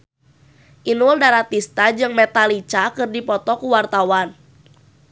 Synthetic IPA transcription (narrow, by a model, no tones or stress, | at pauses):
ʔinuldaɾat̪ist̪ad͡ʒɨŋmɛt̪alit͡ʃakɨrdipɔt̪ɔkuwart̪awan